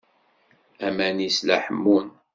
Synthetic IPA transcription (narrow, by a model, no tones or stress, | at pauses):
æmænislæħəmːun